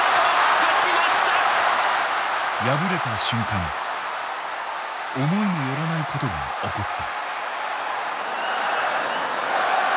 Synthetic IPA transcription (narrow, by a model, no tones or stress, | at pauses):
kt͡ɕiɾimaɕi̥t̪a | jabɯɾe̞t̪aɕɨ̃ŋkãŋ | omo̞imojoɾanaikʰot̪o̞ɡa̰ | okot̪ːa